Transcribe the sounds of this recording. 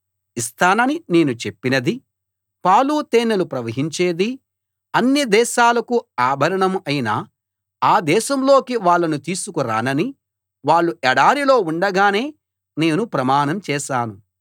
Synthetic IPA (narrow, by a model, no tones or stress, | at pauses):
ist̪aːnɐnine̞ːnut͡ʃe̞pːinɐd̪i | paːluːt̪eːnɐlupɾɐʋɐɦiɲt͡ʃeːd̪i | ɐnːid̪ɛːʃaːlɐkuaːbʱɐɾɐɳɐmɐjina | aːd̪ɛːʃɐmlo̞ːkiʋaːɭːɐnut̪iːsukuɾa̰ːnɐni | ʋaːɭːuʔɛɽaːɾilo̞ːuɳɖɐɡaːne̞ː | ne̞ːnupɾɐmaːnɐmt͡ʃɛːʃaːnu